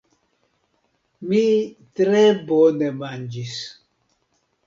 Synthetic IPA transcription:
mitɾɛbɔnɛmand͡ʒis

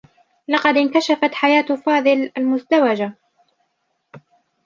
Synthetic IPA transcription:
lɑqɑd̪ɪnkaʃafat̪ħajaːt̪fɑːðˤɨlʔalmʊzd̪awad͡ʒa

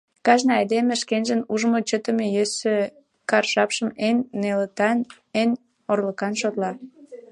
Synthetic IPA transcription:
kɑʒnɑɑjd̪emeʃkenʒənuʒəmot͡ɕət̪əmejøsø | kɑrʃɑpʃəmenːelət̪ɑn | en | orləkɑnʃot̪lɑ

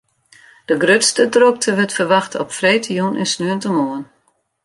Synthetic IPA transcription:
d̥əɡrøtstədrok̚tʰəʋətfərʋaxtɔpfreːtʰəjunɪ̰nsnyəntəmoən

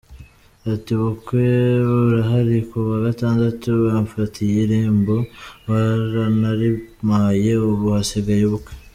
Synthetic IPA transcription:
atiβukweβaβɾaɦaɾikuβaɡataːndatuβaɱfatʰijiɾeːmboβaɾanaɾimaje̞uβuhaseɡejeβukwe

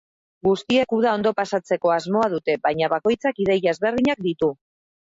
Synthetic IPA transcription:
ɡust̪iekuðao̞nd̪o̞pasat͡se̞ko̞azmo̞aðut̪e̞βajɲaβako̞jt͡sakiðejaezβe̞rðiɲak̚d̪it̪u

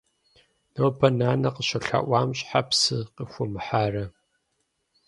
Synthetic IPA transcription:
nowpʰɐnaːnɐqəɕɐɬa̰ːʔʷaːmɕʼħapsɨqixʷʊmɨħaːrɐ

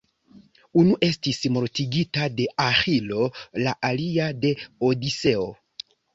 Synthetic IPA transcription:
unuʔe̞stismo̞ɾtiɡitade̞ʔaxilo̞laʔaliade̞o̞dise̞o̞

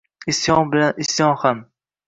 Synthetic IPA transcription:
ɪsjɒŋbɪlanɪsjɒŋham

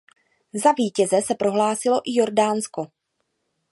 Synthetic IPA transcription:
zaviːcɛzɛsɛpɾo̞ɦlaːsɪlo̞ʔɪjo̞ɾdaːnsko̞

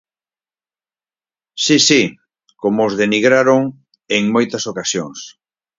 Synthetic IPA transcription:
sisi | komoːzðeniɣɾaɾoŋ | eŋmojt̪ɐsokasjoŋs

